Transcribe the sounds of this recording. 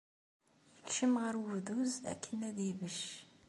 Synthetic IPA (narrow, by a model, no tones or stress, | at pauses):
jəlʃəmʁəɾəvðuzæ̰kʰːənæðivəʃ